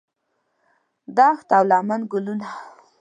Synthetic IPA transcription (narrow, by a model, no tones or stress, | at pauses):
d̪ɑxt̪awlɑmanɡʊluna